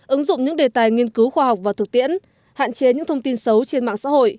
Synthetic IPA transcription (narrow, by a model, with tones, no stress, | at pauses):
ʔɨ˨˦ŋzʊ̰˧˨ŋ͡mɲɨ̰˧˥ŋɗe˨˩t̪aː˨˩jŋi˧ənkɨ˨˦wxwaː˧ɦa˨˩wk͡p̚vaː˨˩t̪ʰɨ˨˩k̚t̪ḭ˧˥ən | ha̰ː˧˨nt͡ɕe˨˦ɲɨ̰˧˥ŋt̪ʰə˧wŋ͡mt̪i˧nsə˨˦wt͡ɕe˧nma̰ː˧˨ŋsa̰ː˧˥ho̰˧˨j